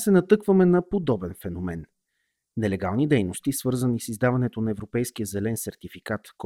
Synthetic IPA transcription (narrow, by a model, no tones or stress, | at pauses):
sɛnɐt̪ɤkvəmɛnɐpod̪ɔbɛnfɛnomɛnː | ɛlɛɡa̰lˠnid̪ɛjnost̪isvɤɾzənisizd̪avɐnɛt̪onɐɛvɾopɛjsk̟ijəzɛlɛnsɛɾt̪ifikat̪k